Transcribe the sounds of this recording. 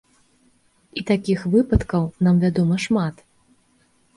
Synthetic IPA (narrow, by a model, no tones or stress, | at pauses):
it̪akʲixvɨpɐt̪kɐwnamvʲad̪ɔmɐʂmat̪